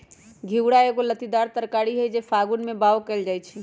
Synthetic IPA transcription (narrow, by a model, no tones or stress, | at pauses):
ɡʱiwɽaeɡolət̪id̪aɾt̪əɾkaɽiɦəjd͡ʒepʰaɡunmebawkɛɪld͡ʒajt͡ʃʰi